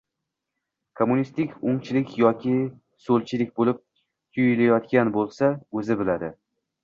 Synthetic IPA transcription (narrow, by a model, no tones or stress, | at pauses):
kʰomunist̪ɪkʲʊŋt͡ʃʰɪlɪkʲʰjɒkʲʰɪ | solt͡ʃʰɪlɪk̚ʲbolɪp̚ | t̪ʰʊjɪlajɒt̪kʲanbolˠsaɵzɪbɪlad̪ɪ